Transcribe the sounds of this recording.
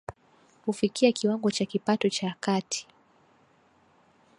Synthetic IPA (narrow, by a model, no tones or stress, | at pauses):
hufikiakiwaŋɡɔt͡ʃakipatɔt͡ʃaːkatʰi̥